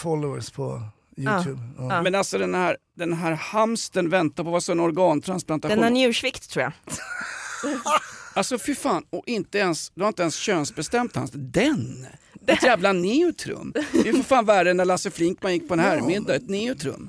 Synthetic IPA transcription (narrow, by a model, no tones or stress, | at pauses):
fɔlɔə̰spʰɔ̰ | jʉjʉːbmɛnalsɔd̪ɛnhæɾ | d̪ɛnɦæːɾhamst̪ənvɛnt̪aɾpʰɔvasɔɛnɔɾɡɑːnt̪ʰɾansplant̪aɛnænjʉ̟ːʂvɪkt̪ʰːɾuːja̰ | alsɔfʏɾfaːnɔʔɪnt̪əɛnsd̪ɵhaɾɪt̪əɛnsɕøːnsbɛst̪ɛmt̪ha̰nsd̪ɛnɛt̪jæːvlanɪːʊt̪ʰɾɵ̰mːɪfɪfaːnvæɾənːæɭasəflɪŋkmanjɪk̚ːpʰɔɛnɦæːɾmɪd̪ːaɛt̪nɪːʊt̪ʰɾɵ̰mː